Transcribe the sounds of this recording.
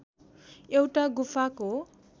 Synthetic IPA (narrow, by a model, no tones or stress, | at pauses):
ewʈaɡupʰako